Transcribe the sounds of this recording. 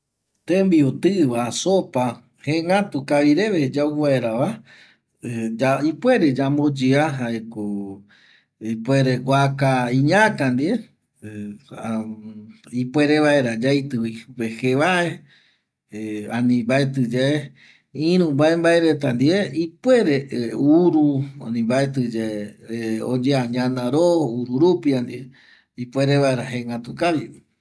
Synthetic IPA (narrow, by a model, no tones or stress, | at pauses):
t̪ẽmbiot̪ɨʋasopa | hẽŋat̪ukaβiɾe̞ʋed͡ʒauβaeɾaʋa | aipwʷe̞ɾed͡ʒambod͡ʒiaɦaeko | ipʷeɾeɡʷakaĩɲakand̪ie | ipwe̞ɾeβaeɾad͡ʒajt̪ɨiupeheʋae̞ | ãnĩmbaet̪ɨd͡ʒee | ĩɾũmbaembaeɾet̪and̪ieipweɾeuɾua̰nĩmbaet̪ɨd͡ʒeeo̰d͡ʒeaɲãnãɾouɾuɾupiand̪ie | ipweɾeβaeɾaɦeŋɡat̪ukaβi